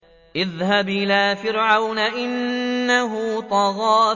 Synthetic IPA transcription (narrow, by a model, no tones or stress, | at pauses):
ʔɪðhabʔɪlaːfɪɾʕawnaʔɪnːaɦʊt̪ˤɑɣɑː